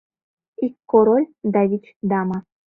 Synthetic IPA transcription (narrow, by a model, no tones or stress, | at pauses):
ikːoɾolʲd̪avʲit͡ʃd̪ama